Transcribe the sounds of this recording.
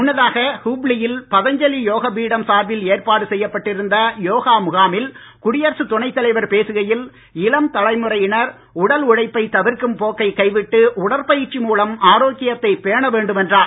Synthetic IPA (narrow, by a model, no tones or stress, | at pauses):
ʊnːɐðaːɣɐhuːbɭɪjɪlpɐðɐɲd͡ʒɐlijoːɣɐbiːɽɐmsaːɾʋɪleːrpaːɽɯsɛjːɐpːɐʈːɪɾɯnd̪ɐjoːɣaːmʊɣaːmɪl | kʊɽɪjɐɾsɯt̪ʊɳɐɪt̪ːɐlɐɪʋɐɾpeːsɯɣɐjɪl | ɪlɐmt̪ɐlɐɪmɯrɐjɪɳɐɾ | ʊɽɐlʊɻɐɪpːɐɪt̪ɐʋɪɾkɯmpoːkːɐɪkːɐɪʋɪʈːɯʊɽɐɾpɐjɪt͡ʃːimuːlɐmaːɾoːkɪjɐt̪ːɐɪpeːɳɐʋeːɳɖɯmɛndraː